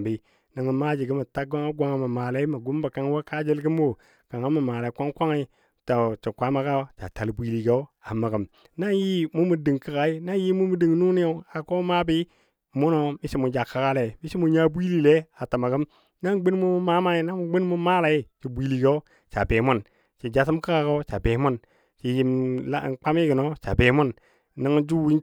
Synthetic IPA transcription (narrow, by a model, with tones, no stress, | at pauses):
bi˦ | na˨ŋ˨ma˦d͡ʒi˨ɡi˦ma˨ta˦ɡo˦ŋa˦ɡʷa˨˦ŋa˨ma˨maː˨la˨i˦ma˨ɡu˦m˦ba˨ka˨ŋ˦wo˦ka˦d͡ʒi˦lɡi˦m˦o˦˨ | ka˨ŋa˦ma˨maː˨la˨i˨˦kʷa˦ŋkʷa˦ŋi˨˦i˦ | ta˨t͡ʃi˨kʷa˦ma˦ka˦t͡ʃa̰˨ta˨lbʷi˦li˨ɡe˦o˦ | a˨ma˨ɡə˨m | na˦ji˦mu˦mu˨di˨ŋki˨ka˨i˦na˦ji˦mu˦mu˨di˨ŋnu˦ni˦o˦a˨ko˦ma˦bi˦ | mu˦no˨mi˦si˦mu˨d͡ʒa˨ka˨˦ka˦le˨mi˦ʃi˦mu˨ɲa˦bʷi˦li˨le˦a˨ta˨ma˨ɡə˦m | na˦ŋɡ͡bi˦n˦mu˦ma˦ma˦i˨na˦m˨ɡ͡bi˦n˦mu˦ma˦la˨i˦t͡ʃi˨bʷi˨li˨ɡe˦o˦ | t͡ʃa˨be˨mu˦n | t͡ʃi˨d͡ʒa˨s̬i˦mka˦ka˨ko˦t͡ʃa˨be˨˦mu˦n | t͡ʃi˨ji˨ma˦˨k͡pa˦mi˦ɡə˨no˦t͡ʃa̰˨be˨mu˦nː | a˦ŋ˦d͡ʒu˦wi˦n